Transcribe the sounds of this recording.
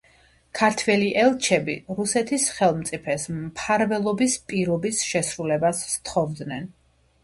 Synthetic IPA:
kʰaɾt̪ʰvɛliʔɛlˠt͡ʃʰɛbiɾusɛt̪ʰisχɛlˠmt̪sʼipʰɛsmpʰaɾvɛlˠɔbispʼiɾɔbisʃɛsɾulɛbast̪ʰχɔvd̪nɛn

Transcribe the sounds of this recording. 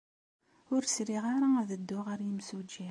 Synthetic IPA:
ʊɾsɾiʁaɾaæðəd̪ːʊʁəɾjimsud͡ʒi

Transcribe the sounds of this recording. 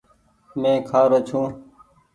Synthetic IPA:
mẽːkʰaːɾoːt͡ʃʰũː

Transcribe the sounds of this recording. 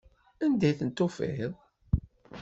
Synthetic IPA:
ænd̪æjθənt̪ːofḭðˤ

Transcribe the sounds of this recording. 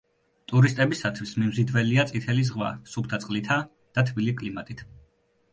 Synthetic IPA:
t̪ʼuɾist̪ʼɛbisat̪ʰwismimzid̪vɛliat̪sʼit̪ʰɛlizʁva̰supʰt̪ʰat̪sʼqʼlit̪ʰa | d̪̥at̪ʰbilikʼlimat̪ʼit̪ʰ

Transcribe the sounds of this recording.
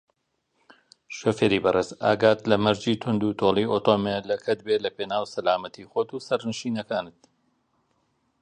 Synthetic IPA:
ʃofeːɾiːbɐreːza̰ːɡaːt̪lɐmɐɾd͡ʒiːt̪ʰʊnd̪uːt̪ʰoːlˠioːt̪oːmelɐkʰɐt̪̚belɐpeːnaːwsɐlaːmɐt̪ixoːt̪uːsɐɾnɨʃiːnɐkaːnɨt̪̚

